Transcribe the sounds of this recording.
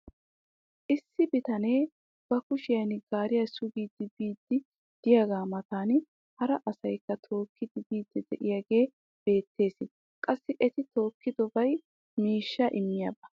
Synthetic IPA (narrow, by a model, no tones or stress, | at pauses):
ʔɪsːɪbɪt̪ɐne̞ː | b̥ɐkʊʃɪjɐjnɡaːɾɪjɐsʊɡiːd̪ːɪbiːd̪ːɪ | d̪̥ɪjaːɡaːmɐt̪aːn | hɐɾɐʔɐsɐjkːɐt̪ʰo̞ːkːɪd̪ɪbiːd̪ːɛd̪ɛ̰ʔɪjaːɡe̞ː | b̥e̞ːt̪ːe̞ːsɪn | kʼɐsːɪʔɛt̪ɪt̪o̞ːkːɪd̪ɔbɐj | miːʃːɐʔɪmːɪjabɐ